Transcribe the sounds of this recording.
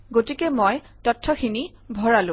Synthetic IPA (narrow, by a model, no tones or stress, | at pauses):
ɡotikɛmɔj | tɔtʰːɔkʰini | bʱɔɹalʊ̃